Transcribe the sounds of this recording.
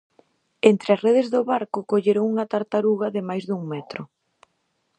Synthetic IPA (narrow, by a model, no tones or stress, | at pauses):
ent̪ɾeɐsreðɪzðʊβaɾkʊkoʎeɾoŋuŋɐt̪aɾt̪aɾuɣɐðɪmajzðuŋmɛt̪ɾʊ